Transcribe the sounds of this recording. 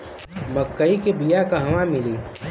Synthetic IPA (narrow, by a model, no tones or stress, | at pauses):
mɐkːəikebijakaɦɐʋamɪliː